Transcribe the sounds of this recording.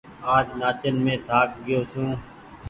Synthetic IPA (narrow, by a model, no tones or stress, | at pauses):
aːd͡ʒnaːt͡ʃənmẽːt̪ʰaːk̚ɡɪjoːt͡ʃʰũː